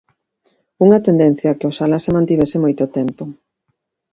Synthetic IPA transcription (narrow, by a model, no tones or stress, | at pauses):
uŋɐt̪end̪ẽn̟θjɐakɪosalasemãnt̪iβ̞ɛsɪmojt̪ʊt̪ɛmpʊ